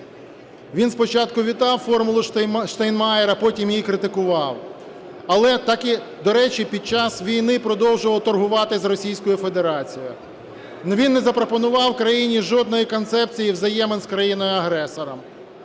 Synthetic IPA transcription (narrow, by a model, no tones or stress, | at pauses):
ʋʲinspɔt͡ʃɑt̪kʊʋʲit̪ɑwfɔrmʊlˠʊʃt̪ɐjnmɑjɛɾɐpɔtʲimjikɾɪt̪ɪkʊʋɑw | ɐlˠɛt̪ɑki | d̪ɔɾɛt͡ʃipʲid̪̚t͡ʃɑsʋʲijnɪpɾɔd̪ɔwʒʊʋɐwt̪ɔrɦʊʋɑt̪ɪzrɔsʲijsʲkɔjʊfe̞d̪eɾɑt͡sʲijɔjʊ | nʋʲinːɛzɐpɾɔpɔnʊʋɑwkɾɐjinʲiʒɔd̪nɔjikɔnt̪sɛp̚t͡sʲijiwzɐjɛmɪnskɾɐjinɔjʊɐɦɾɛsɔɾɐm